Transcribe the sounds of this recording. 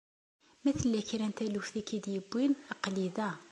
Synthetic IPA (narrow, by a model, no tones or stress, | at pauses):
mæθəlːæçiɾænt̪ælufθikid̪jəbːinəqliðæ